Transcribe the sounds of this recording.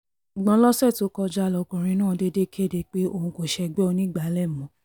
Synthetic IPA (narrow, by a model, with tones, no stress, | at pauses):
ɡ͡bã˧˦lɔ˦sɛ˦˨to˨˦kɔ˧d͡ʒa˦˧lɔ˧˨ɡɔ̃˨ɾĩ˧˦nãː˦˨de˦de˦kʰe˦˨de˧k͡pe˦o˦˧hũ˧ko˨ʃɛ˧˨ɡ͡bɛ˦o˧nĩ˦ɡ͡ba˨˦lɛ˦˨mɔ̃˨˦